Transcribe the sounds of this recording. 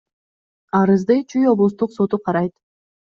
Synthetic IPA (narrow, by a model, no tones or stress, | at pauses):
ɑɾɯzd̪ɯjt͡ʃʰyjo̞blˠust̪uqso̞t̪uqʰɑɾɑjt̪